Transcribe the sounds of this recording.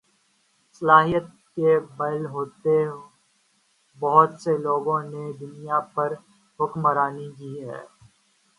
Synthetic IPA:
sɐlaːɦijət̪̚ | kebɐlɦoːt̪e | bɐɦʊt̪seloːɡõned̪ʊnjapɐɾ | ɦʊkməɾaːnikiːɦɛ̰ː

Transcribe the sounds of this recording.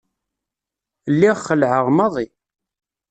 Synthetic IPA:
lːiʁχəlʕəʁmɑðˤi

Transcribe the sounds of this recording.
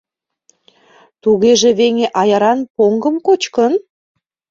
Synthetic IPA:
t̪uɣeʒeβeŋeʔɑjɑɾɑnpoŋɡəmkot͡ɕkən

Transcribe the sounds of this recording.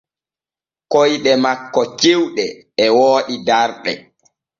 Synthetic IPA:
kojɗɛmakːɔt͡ʃiwɗɛ | ɛwoːɗidaɾɗɛ̰

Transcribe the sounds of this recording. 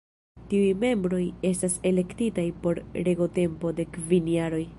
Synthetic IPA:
tiujme̞mbɾo̞je̞stase̞le̞ktitajpo̞ɾɾe̞ɡo̞te̞mpo̞de̞kvinjaɾo̞j

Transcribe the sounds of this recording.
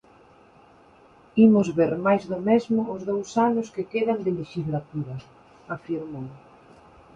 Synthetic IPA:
imʊzβeɾmajzðʊmezmʊːzðowsanʊskekeðand̪ɪleʃizlat̪uɾa | afiɾmo

